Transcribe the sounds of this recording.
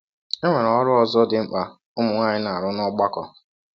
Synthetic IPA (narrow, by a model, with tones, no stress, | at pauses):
e˦ŋʷe˨ɾɔ˨ɔ˦ɾʊ˦ɔ˦zɔ˦dɪ˨ŋ͡m̩˦k͡pa˨ | ʊ˦mʊ˨ŋʷa˦ɲɪ˦na˨a˨ɾʊ˦nɔ˦ɡ͡ba˦kɔ˨